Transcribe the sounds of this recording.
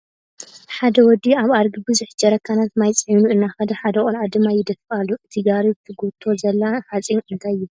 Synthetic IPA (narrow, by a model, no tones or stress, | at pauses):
ħad̪ɐwɔd̪iaβaɾɡibɨzuħd͡ʒɐɾɐkʰːanat̪majt͡sʼinuʔɨnːaxɐd̪ɐħad̪ɐχʼɔlʕad̪ɨmajːɪd̪ɐfɨalːuʔɨt̪ʰiɡaɾizɨt̪ʰɨɡut̪ʰːo̞zɐlːaħat͡sʼinɨnt̪ʰajɪ